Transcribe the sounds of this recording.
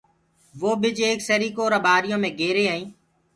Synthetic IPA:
ʋoːbɪd͡ʒeːksəɾiːkoːɾəbaːɾɪjõːmẽːɡeːɾeːɦaːĩː

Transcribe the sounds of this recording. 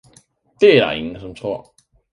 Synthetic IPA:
t̪ɛla̰iŋʂəmət͡sʰwɔ

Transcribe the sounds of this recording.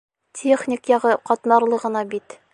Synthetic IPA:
tʲʰeχnʲikjɒʁɤqɒt̪nɑɾlˠɤʁɤ̆nɑbit̪

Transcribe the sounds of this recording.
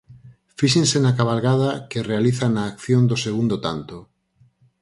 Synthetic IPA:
fiʃẽnsenakaβalɣað̞akerealiθanaːkθjond̪oseɣ̞und̪ot̪a̰nt̪o

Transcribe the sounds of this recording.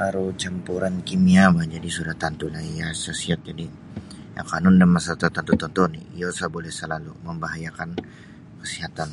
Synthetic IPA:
aɾut͡ʃampuɾankimiamad͡ʒadisudaht̪ant̪ulajasasiat̪̚d͡ʒadi | ja̰kanʊndanmasat̪at̪ant̪ut̪ɔnt̪ɔnḭijosabolɛhsəlaluməmbaɦajakan | kəsiɦat̪an

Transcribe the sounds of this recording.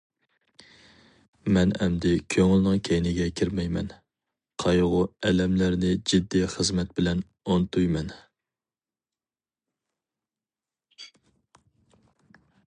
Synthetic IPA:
mɛnɛmd̪ɪkʲʰøŋɪlnɨŋkʲʰɛjnɪɡʲɛkʲʰiɾmɛjmɛn | qʰɑjʁʊɛlɛmlæɾnɪd͡ʒid̪ːiχəzmɛt̪̚bɪlɛn | ont̪ʰujmɛn

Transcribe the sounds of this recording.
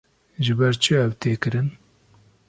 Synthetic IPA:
ʒɨbɛɾt͡ʃʰɨɛwt̪ʰeːkɨɾɨn

